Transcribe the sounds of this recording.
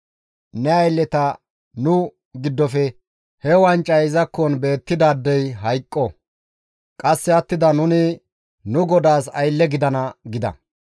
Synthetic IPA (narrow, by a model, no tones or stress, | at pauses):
nɛɐjlːɛt̪ɐ | nʊ | ɡɪd̪ːɔfɛ | hɛwɐnt͡ʃʼːɐɪzɐkːɔnbe̞ːt̪ːɪd̪aːd̪ːɛjɦɐjkʼːɔ | kʼɐsːɛɐt̪ːɪd̪ɐnʊnɪ | nʊɡɔd̪aːsɐjlːɛɡɪd̪ɐnɐɡɪd̪ɐ̰